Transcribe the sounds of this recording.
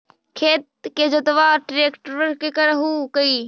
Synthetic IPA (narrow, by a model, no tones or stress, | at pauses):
kʰeːt̪̚ked͡ʒot̪ɐʋaːɾʈɾeːkʈɾəɾkekɐɾɦuːkɐiː